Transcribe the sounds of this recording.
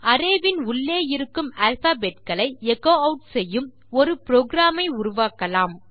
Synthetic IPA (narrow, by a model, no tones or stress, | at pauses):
ɐɾeːʋɪnʊɭːeːjɪɾɯkːɯmaːlfaːbeːʈ̚kɐɭɐɪɛkːoːɐʊʈsɛjːɯm | ɔɾɯpɾoːɡɪɾaːmɐɪʊɾʊʋaːkɐlaːm